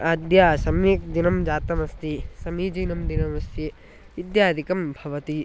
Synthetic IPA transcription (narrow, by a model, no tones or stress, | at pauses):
ad̪jaːsɐmjik̚d̪inɐmd͡ʒaːt̪ɐmɐst̪isɐmiːd͡ʒiːnɐmd̪inɐmɐst̪i | ʋid̪jaːd̪ʱikɐmbʱɐʋɐt̪i